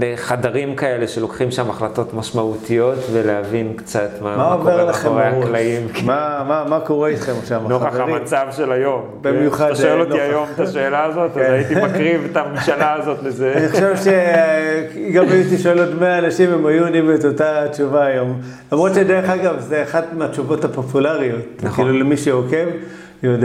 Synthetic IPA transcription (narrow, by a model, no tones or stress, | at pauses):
eχadaʁimkaeleʃelokχimʃamaχlato̞tmaʃmaut̪ijo̞tveleavinkt͡sat̪mamaoveʁlaχeoʁeauklaimmamamako̞ʁeit̪χemaχʃavmanoaamat͡savʃelajombemjuχadʃoeloniajomt̪aʃeːlaːzot̪aeait̪imkʁivet̪amimʃalaːzot̪lezenixoʃevʃe | ɡamajit̪iʃoelotmeaːnaʃimemajuondimetotat͡ʃuvaːjo̞m | lamʁot̪ʃed̪eʁeχaɡavzeaχad̪meat͡ʃuvo̞thapo̞pulaʁio̞tkiːlulemiʃeoke̞v | jod